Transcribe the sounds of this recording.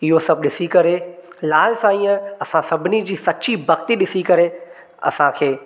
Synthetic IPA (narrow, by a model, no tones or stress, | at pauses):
ɪɦosɐbʱɗɪsikɐɾelaːlsãiːə̃ɐsãsɐbʱɪnid͡ʑiːsɐt͡ɕibɐkt̪iɗɪsikɐɾe | ɐ̰sãkʰeː